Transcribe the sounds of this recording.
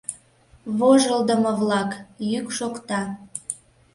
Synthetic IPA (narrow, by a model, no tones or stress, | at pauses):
βoʒəld̪əməβlɑkjykʃokt̪ɑ